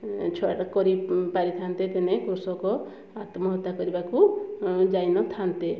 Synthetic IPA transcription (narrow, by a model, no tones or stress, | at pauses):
t͡ʃʰɔakɔɾipaɾit̪ʰant̪ep̪enekuɾsɔkɔ | at̪mɔɦɔt̪ːakɔɾibakud͡ʒajnɔt̪ʰant̪e